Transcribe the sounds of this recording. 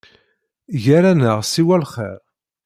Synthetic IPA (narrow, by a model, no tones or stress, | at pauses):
ʝaɾænəʁsiwælχɛ̰ɾ